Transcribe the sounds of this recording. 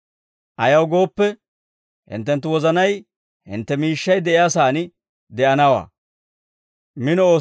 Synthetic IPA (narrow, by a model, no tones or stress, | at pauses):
ʔɐjɐwɡo̞ːpːɛ | hɪ̰nt̪ːɛnt̪ːʊwɔzɐnɐj | hɪ̰nt̪ːɛmiːʃːɐjd̪ɛʔɪjaːs̬aːnɪ | d̪ɛʔɐnɐwa̰ː | mɪnɔoː